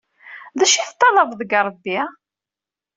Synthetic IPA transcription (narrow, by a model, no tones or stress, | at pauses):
ðæʃiθt̪ˤːɑləvðəɡəɾˤbːi